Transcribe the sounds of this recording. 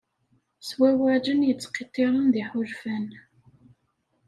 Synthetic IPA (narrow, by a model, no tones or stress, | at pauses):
swæwæd͡ʒənjət͡sːqit̪ːiɾˤənðiħʊʒfæn